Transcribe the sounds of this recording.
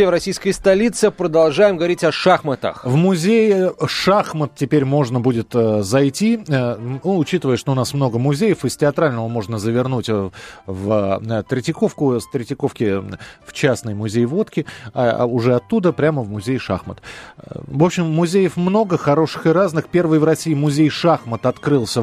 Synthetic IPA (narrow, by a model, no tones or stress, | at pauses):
evɾɐsʲijskəjst̪ɐlʲit̪sɨpɾəd̪ɐlˠʐajɪmɡəvɐɾʲitʲɐʂaxmət̪ə̰xvmʊzʲejʂaxmət̪̚tʲɪpʲeɾʲmo̞ʐnəbudʲɪt̪əzɐjtʲi | uʊt͡ɕit̪əvəjəʂt̪oʊnasmno̞ɡəmʊzʲejəfɨstʲɪɐt̪ɾalʲnəvəmo̞ʐnəzəvʲɪrnutʲvət̪ɾʲɪtʲɪko̞fkʊst̪ɾʲɪtʲɪko̞fkʲɪft͡ɕasnəjmʊzʲejvo̞t̪kʲɪa̰ʊʐɛɐt̪ːud̪əpɾʲaməvmʊzʲejʂa̰xmət̪ | vo̞pɕɪmːʊzʲejəfmno̞ɡəxɐɾo̞ʂɨ̥xɨɾaznɨxpʲe̞rvɨjvɾɐsʲiːmʊzʲejʂaxmət̪ɐt̪kɾɨlˠsʲə